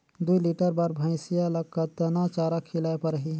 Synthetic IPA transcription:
d̪uiliʈəɾbaːɾbʱãɪ̃sijalɐɡ̚kat̪ɐnat͡ʃaːɾakʰɪlajpɐɾɦi

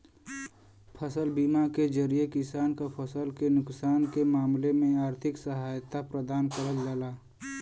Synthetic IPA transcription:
pʰəsəlbimaked͡ʒəɾijekɪsaːnkapʰəsəlkenʊksaːnkemaːmlemẽaːɾt̪ʰɪksəɦaːjt̪apɾəd̪aːnkəɾəld͡ʒaːlaː

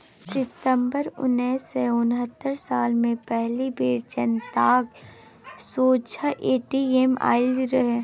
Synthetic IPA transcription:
sɪt̪əmbəɾʊ̰nːeːseʊnɦət̪ːəɾsaːlmẽpɛɦlibeːɾd͡ʒənt̪aːɡ | soːt͡ʃʰəʔeːʈiema̰ːɪlɾɐɦe

